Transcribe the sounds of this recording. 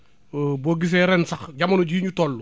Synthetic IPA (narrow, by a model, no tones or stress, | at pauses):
boɡis̬eɾɛnsɐxɟamɐnuɟiːɲutolːu